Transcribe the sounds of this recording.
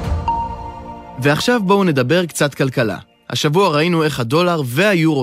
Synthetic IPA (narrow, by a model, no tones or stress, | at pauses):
ve̞aχʃavboune̞d̪abe̞ʁkt͡sat̪kalkala̰ | ha̰ʃavuaʁainue̞χhado̞laʁve̞hajuʁo